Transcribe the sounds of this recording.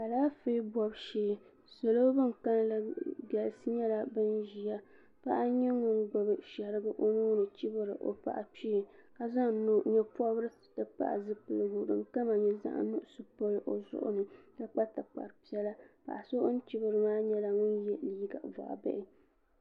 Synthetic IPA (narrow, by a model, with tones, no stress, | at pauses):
ka˨laː˦fe˦bɔ˨bʃeː˦˨ | so˨lo˦bɨ˦ŋka˦n˦la˦bɛ˨lɨ˨sɨ˦ɲɛ˦la˨bɨ˦nʒi˨ja˦ | pa˦ʔa˦ɲɛ˦ŋʊ˦nɡɔ˨bɨ˦ʃɛ˨ɾɨ˦ɡɨ˦ʔo˦nuː˦nɨ˨t͡ʃi˦bɨ˦ɾɨ˨ʔo̰˨pa̰˨ʔa˨pi˦˨ka˨za˦ŋnu˨ɲɛ˦pɔ˦bɾɨ˦ | tɨ˨pa̰˨ʔa̰˨zɨ˦pɨ˦lɨ˨ɡu˨ɾɨ̰˨mka˦ma˨ɲɛ˨za̰˦ʔnʊ˦ʔʊ˦˨sɨ˨po˦lɨ˦ʔo˨zʊ̰˦ʔʊ̰˦nɨ˨ka˦k͡pa˦ta˨k͡pa̰˨ɾɨ˨pi˦ɛ˦la˦pa̰˨ʔa˨so˦ʔʊ˦n˦t͡ʃi˦bɨ˨ɾɨ˨maː˦ɲɛ˦la˨ŋʊ˦njɛ˦liː˦ɡa̰˨va̰˨ʔbɛ̰˦ʔɪ˦